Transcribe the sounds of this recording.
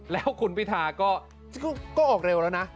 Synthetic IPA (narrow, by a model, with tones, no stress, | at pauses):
lɛː˦˥wkʰu˧npʰi˦˥˩t̪ʰaː˨˩kɔː˥˩ | kːkɔː˥˩ʔɔː˨˩k̚ɾe˧wlɛː˦˥wna˦˥ʔ